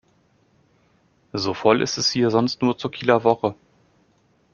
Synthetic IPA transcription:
zoːfɔlʔɪ̰stɛshiːɐzɔnstnuːɐt͡suːɐkʰiːlɐvɔχə

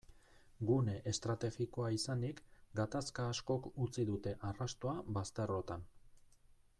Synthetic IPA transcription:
ɡune̞ʔest̪ɾat̪e̞ɣikoaisand̪ikɡat̪askaːsko̞kut͡siðut̪e̞ʔarast̪o̞aβast̪e̞ro̞t̪an

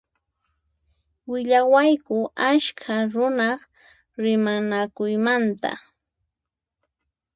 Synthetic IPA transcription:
wɪʎawajkʊaʃkʰaɾʊnɑχ | ɾɪmanakʊjmant̪a̰

